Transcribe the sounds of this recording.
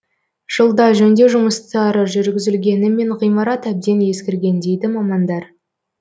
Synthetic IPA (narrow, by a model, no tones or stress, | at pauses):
ʒ̥əlˠd̪ɑʒɵnd̪e̞ʒʊməst̪ɑɾəʒʏɾɡʲɪzɪlɡʲe̞nɪme̞ɴʁijmɑɾɑt̪æb̚d̪e̞nje̞skʲɪɾɡʲe̞nd̪e̞jd̪ɪmɑmɑnd̪ɑɾ